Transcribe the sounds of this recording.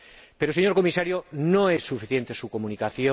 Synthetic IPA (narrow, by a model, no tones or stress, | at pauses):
peɾoseɲoɾko̞misaɾjonõesːufiθje̞nt̪esukomunikaθjo